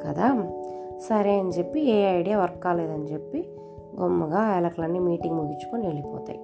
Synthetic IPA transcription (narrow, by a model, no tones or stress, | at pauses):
kɐd̪aːsɐɾeːɐnit͡ʃe̞pːieːɐjɽijaʋɐɾkaːleːd̪ɐnit͡ʃe̞pːi | ɡɔmːɐɡaːjlɐklɐnːiːmiːʈiŋɡmuɡit͡ʃːu̥konieɭipɔ̰ːt̪a̰ːji